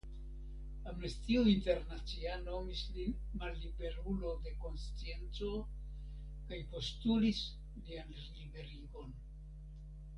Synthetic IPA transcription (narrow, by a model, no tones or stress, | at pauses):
amnestiuinte̞ɾnat͡siano̞mislin | malːibe̞ɾulo̞de̞ko̞nst͡sie̞nt͡so̞ | kajpo̞stulis | lian | libe̞ɾiɡo̞n